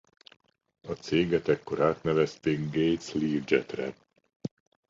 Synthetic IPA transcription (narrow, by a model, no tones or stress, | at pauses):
ɒt̪seːɡɛt̪ɛkːo̞ɾaːt̪nɛvɛst̪eːɡɡejt̪sliːrd͡ʒɛ̰t̪rɛ̰